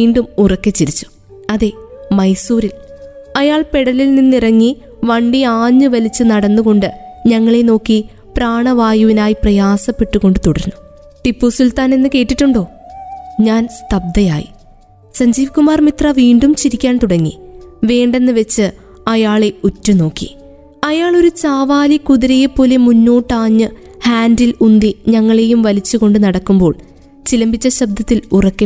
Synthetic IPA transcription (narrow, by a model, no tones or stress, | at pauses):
iːɳɖumurɐkːet͡ɕːiɾit͡ɕːu̥ | ɐðe̞mɐjsuːɾil | ɐjaːɭpe̞ɽɐlilninːirɐŋːi | ʋɐɳɖiaːɲːɨʋɐlit͡ɕːɨnɐɽɐnːuɣo̞ɳɖɨɲɐŋːɐɭeno̞ːkːi | praːɳɐʋaːjuʋinaːjiprɐjaːsɐpːe̞ʈːuɣo̞ɳɖɨt̪uɽɐɾunːu | t̪ipːusilt̪aːnenːɨke̞ːʈːiʈːuɳɖo̞ː | ɲaːnst̪ʰɐb̚d̪ɐjaːjḭ | sɐɲd͡ʑiːʋikːumaːrmit̪rɐʋiːɳɖumt͡ɕiɾikʲːaːnt̪uɽɐŋːḭʋe̞ːɳɖe̞nːɨʋe̞t͡ɕːɨ | ɐjaːɭe̞utːuno̞ːkːḭ | ɐjaːɭo̞ɾut͡ɕaːʋaːlikuðiɾejepːo̞ːle̞munːoːʈːaːɲːɨ | haːndilund̪iɲɐŋːɐɭe̞jumʋɐlit͡ɕːuɣo̞ɳɖɨnɐɽɐkːumbo̞ːɭ | t͡ɕilɐmbit͡ɕːɐɕɐb̚d̪ʱɐt̪ːilurɐkːe